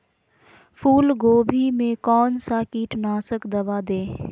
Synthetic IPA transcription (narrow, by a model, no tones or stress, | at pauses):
pʰuːlɡoːbʱimẽkɔːnsakiːʈʰnaːsəkd̪ɐbaːd̪ẽː